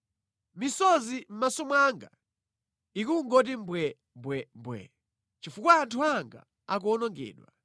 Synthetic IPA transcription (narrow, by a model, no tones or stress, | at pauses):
misɔzim̩masɔmwaŋɡa̰ | ikuŋɡɔt̬imbwɛ | mbwɛmbwɛ̰ | t͡ʃifukwaːntʰuaŋɡa̰ | ak̬uɔnɔŋɡɛ̰ːɗwa